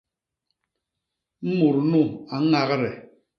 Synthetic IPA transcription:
m̩˦mu˨ɾnu˦˨a˨˦ŋa˦ɣə˦ɾɛ˨

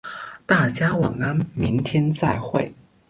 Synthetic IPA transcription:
t̪a˥˩t͡ɕja˥wɑ˨˩ŋa˥nmi˧˥ŋt̪ʰjɛ˥nt͡sa˥˧ɪxwe˥˩ɪ

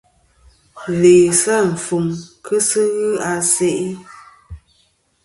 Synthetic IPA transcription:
leː˨sa˦ɱ̩˨fu˨ŋkʰə˦sɨ˦ɣɨ˦a˨se˦ʔi˦

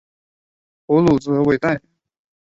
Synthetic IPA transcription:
pu˧˥lu˨˩t͡sɹ̩˥ɤ˧˥we˥˧ɪt̪a˥˩ɪ

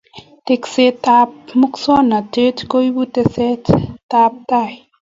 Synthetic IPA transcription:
te˨kse˦ta˧p̚mu˦ksɔ˦na˨te˦tko˦i˦bu˦te˧sɛ˦tta˧p̚ta˦˨j

